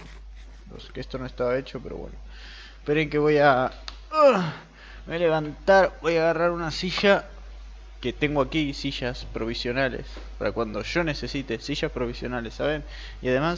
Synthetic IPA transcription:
lo̰skest̪o̞noe̞st̪aβae̞t͡ʃo̞pe̞ɾo̰βwḛno | peɾeŋke̞βo̞ja | moejaleβ̞ant̪aɾbo̞jaɣaraɾunasiʃa | ke̞t̪e̞ŋɡoakisiʃaspɾo̞βisjo̞nalḛs | paɾakwand̪o̞ʃo̞ne̞se̞sit̪esiʃaspɾo̞βisjo̞nalesːaβen | iaðe̞mas

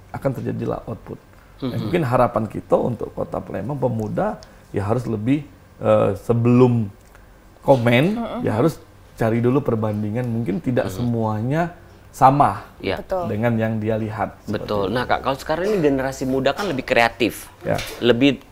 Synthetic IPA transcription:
ʔakant̪ərd͡ʒa̰dila̰hʔɔt̪̚pʊt̪̚ | a̰muŋkɪnɦaɾapankḭt̪aṵnt̪ʊ̰kːo̰t̪a̰plḛmaŋpəmuda | jaɦaɾʊs̬ləbɪh | ʔəsəbəlʊm | komɛnja̰ɦaɾʊs | t͡ʃaɾidulupərbandiŋanmuŋkɪnt̪ida̰ʔsəmuaɲa | samahja̰ət̪dəŋanjaŋdialiɦat̪̚bət̪ʊlnahka̰ʔkalosə̥kaɾaŋiniɡenəɾasimudakanləbɪhkɾeat̪ɪf | ja̰ləbɪh

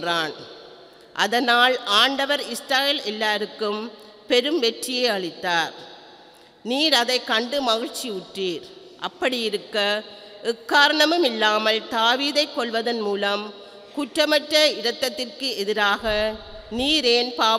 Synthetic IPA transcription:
raːn | ʔɐ̰ðɐnaːlaːɳɖɐʋɐɾɪsʈaːɣɪlɛlːaːɾɯkːɯm | pɛɾɯmʋɛʈrɪjeːɐɭɪt̪ːaːɾ | niːɾɐðɐɪkːɐɳɖɯmɐɣɪɻt͡ʃiʊʈːiːɾ | ʔɐpːɐɽɪjɪɾɯkːɐ | ʔʊkːaːɾɐɳɐmɯmɪlːaːmɐlt̪aːʋiːðɐɪkːɔɭʋɐðɐnmuːlɐm | kʊʈrɐmɐʈrɐɪɽɐt̪ːɐt̪ːɪrkɯʔɛðɪɾaːɣɐ | niːɾeːnpaː

